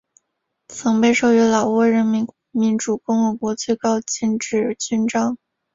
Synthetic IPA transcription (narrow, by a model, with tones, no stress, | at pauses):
t͡sʰɤ˧˥ŋpe˥˧ɪʂo˥˩ʊɥɛ˧˥lɑ˨˩ʊwɔ˥˩ɻə˧˥nmi˧˥ | mi˧˥nʈ͡ʂu˨˩kʊ˥ŋxə˧˥kwɔ˧˥t͡swe˥˧ɪkɑ˥˧ʊt͡ɕi˥˧nʈ͡ʂɻ̩˥˩t͡ɕy˥˧nʈ͡ʂɑ˥ŋ